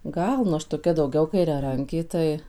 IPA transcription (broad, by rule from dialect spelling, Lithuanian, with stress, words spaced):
ˈɡɐlˠ nʊ ˈɐʃ toːˈkʲɛ dɐʊˈɡʲɛʊ kɐɪrʲɛˈrɐŋʲkʲeː ˈtɐɪ